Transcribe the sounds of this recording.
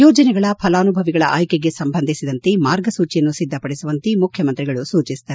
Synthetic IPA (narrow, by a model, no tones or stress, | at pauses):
jɔːd͡ʒɐnɛɡɐɭɐpʰɐlaːnubʱɐʋiɡɐɭɐ̰ʔaːjkeɡe̞sɐmbʱɐnd̪ʱisid̪ɐnt̪emaːɾɡɐsuːt͡ʃijɐnːusid̪ʱːɐpɐɽisuʋɐnt̪imukʰjɐmɐnt̪ɾiɡɐɭusuːt͡ʃisi̥d̪ɐɾ